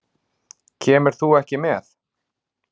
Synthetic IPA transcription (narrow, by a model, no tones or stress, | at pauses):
cʰɛːmɪɾ̥θuɛhcɪmɛθ